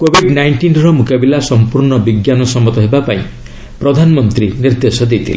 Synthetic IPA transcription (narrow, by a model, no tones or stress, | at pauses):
kobʱiɖnajɳʈinɾɔmukabilasɔmpuɾnɔbiɡjanɔsɔmɔt̪ɔɦebapaḭ̃ | pɾɔd̪ʱanɔmɔnt̪ɾiniɾd̪esɔd̪et̪ʰile